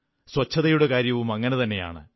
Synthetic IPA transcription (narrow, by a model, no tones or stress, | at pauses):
swɐt͡ɕʰːɐðɐjuɽe̞kaːɾjɐʋumɐŋːɐne̞t̪ɐnːe̞ja̰ːɳɨ̰